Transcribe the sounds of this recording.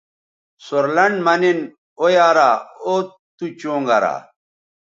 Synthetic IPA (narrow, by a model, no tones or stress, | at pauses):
soɾlɐɳɖmɐnin | ojaːɾaːo | t̪ut͡ɕoːŋɡɐ̰ɾa̰ː